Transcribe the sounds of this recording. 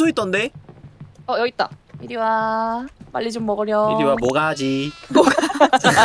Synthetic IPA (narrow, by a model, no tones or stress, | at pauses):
sʰoit͈ʌnde̞ | ʌjʌit̚t͈aiɾiwa | ma̰ɭʎːid͡ʑomːʌɡɯɾjʌɾiwamoɡad͡ʑimo